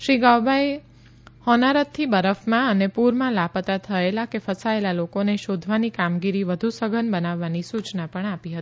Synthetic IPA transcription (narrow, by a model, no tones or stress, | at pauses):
ʃɾiɡawbae | hɔnaɾət̪̚t̪ʰibəɾəfmãənepuɾmãlapət̪at̪ʰəelakefəsaelalokoneʃod̪ʱʋanikamɡiɾiʋəd̪ʱusəɡʱənbənaʋːanisut͡ʃnapəɳapiɦət̪i